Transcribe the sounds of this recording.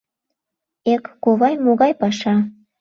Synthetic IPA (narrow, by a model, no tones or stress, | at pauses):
ekːoβɑjmoɣɑjpɑʃɑ